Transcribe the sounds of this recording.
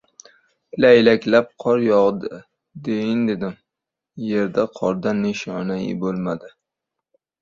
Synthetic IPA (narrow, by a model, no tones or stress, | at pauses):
laɪlakʲlap̚qʰɒɾjɒʁd̪ɪ | d̪ejɪnd̪ed̪ɪm | je̞ɾd̪aqʰɒɾd̪anːɪʃɒnajɪ̰bolˠmad̪ɪ